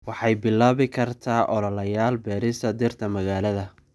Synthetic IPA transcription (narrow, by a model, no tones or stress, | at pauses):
wɑħɑjbɪlːaːβɪkʰɐrt̪ʰaːʔɔlɔlɐjaːlbɛːɾɪst̪ʰɐd̪ɪrt̪ʰɐmɐɣaːlɐðɐ